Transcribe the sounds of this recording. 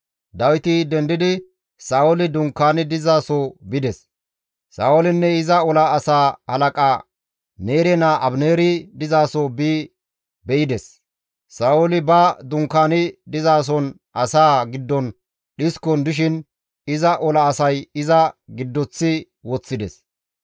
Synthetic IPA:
d̪ɐwɪt̪ɪd̪ɛnd̪ɪd̪ɪ | saːwɔlɪd̪ʊŋkːaːnɪd̪ɪzaːsoːbɪd̪ɛs | sa̰ːwɔlɪnːɛɪzɐɔlɐːsaːhɐlɐkʼa | ne̞ːɾɛnaʔɐbneːɾɪd̪ɪzaːsoːbiː | bɛjɪd̪ɛs | saːɔlɪbɐd̪ʊŋkːaːnɪd̪ɪzaːs̬ɔn | ʔɐsaːɡɪd̪ːɔn | ɗɪskɔnd̪ɪʃ̬ɪn | ɪzɐʔɔlɐːsɐjɪzɐɡɪd̪ːɔt͡sːɪ | wɔt͡sːɪd̪ɛs

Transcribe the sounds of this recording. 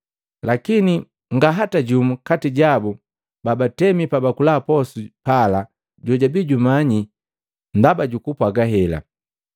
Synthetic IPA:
lakini | ŋɡaɦataɟumukatiɟabu | babatɛmipabakulaːpɔsupala | ɟɔɟabiɟumaɲi | ndabaɟukupwaɡaɦɛla̰

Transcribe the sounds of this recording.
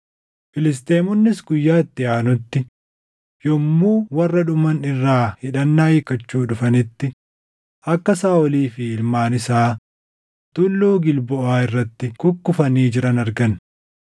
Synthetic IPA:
fɪlɪs̬t̪eːmʊnːɪsɡʊjːaːɪt̪ːɪaːnʊt̪ːɪ | jɔmːuːwɐrːɐᶑʊmɐnɪrːaːhɪᶑɐnːaːjɪkɐt͡ʃːuːᶑʊfɐnɪt̪ːɪ | ʔɐkːɐsaːɔliːfɪɪlmaːnɪsaː | t̪ʊlːuːɡɪlbɔʔaːɪrːɐt̪ːɪkʊkːʊfɐniːd͡ʒɪɾɐnɐɾɡɐn

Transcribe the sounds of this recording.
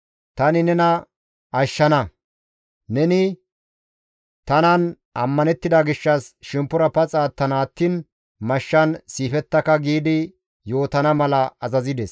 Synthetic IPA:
t̪ɐnɪnɛnɐ | ɐʃːɐnɐ | nɛnɪ | t̪ɐnɐn | ɐmːɐnɛt̪ːɪd̪ɐɡɪʃːɐsʃɛmpːʊɾɐpɐt͡sʼaːt̪ːɐnaːt̪ːiːn | mɐʃːɐnsiːfɛt̪ːɐkɐɡiːd̪ɪ | jo̞ːt̪ɐnɐmɐlɐɐzɐzɪd̪ɛs

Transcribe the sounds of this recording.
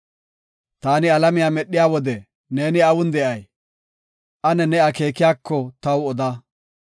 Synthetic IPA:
t̪aːnɪɐlɐmɪjaːmɛɗːɪjaːwɔd̪ɛ | ne̞ːnɪɐwʊnd̪ɛʔɐj | ʔɐnɛnɛɐke̞ːkɪjaːkːɔt̪ɐwɔd̪aː

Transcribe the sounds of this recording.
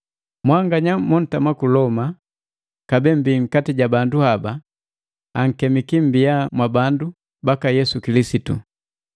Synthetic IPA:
mwaŋɡaɲamɔn̩tamakulɔma | kabɛm̩biŋ̩katiɟabanduhaba | aŋ̩kɛmikim̩biamwabandu | bakajɛsukilisitṵ

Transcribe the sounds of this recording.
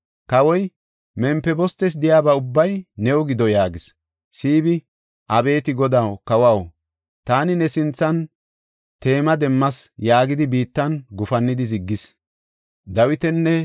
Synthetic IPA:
kɐwɔj | mɛmpːɛbɔst̪ːɛs̬d̪ɪjaːbɐʊbːɐjnɛʊɡɪd̪ɔjaːɡɪs | siːbɪ | ʔɐbe̞ːt̪ɪɡɔd̪ɐwkɐwɐw | t̪aːnɪnɛsɪnt͡sːɐn | t̪e̞ːmɐd̪ɛmːɐsjaːɡɪd̪ɪbiːt̪ːɐnɡʊfɐnːɪd̪ɪzɪɡːɪs | d̪ɐwɪt̪ɛnːɛ

